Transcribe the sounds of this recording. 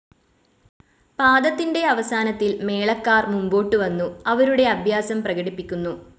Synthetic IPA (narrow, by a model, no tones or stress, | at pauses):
paːd̪ɐt̪ːinɖe̞ɐʋɐsaːnɐt̪ːilme̞ːɭɐkːaːrmumbo̞ːʈːɨʋɐnːuɐʋɐɾuɽe̞ɐbʱjaːsɐmprɐɣɐɽipːikʲːunːu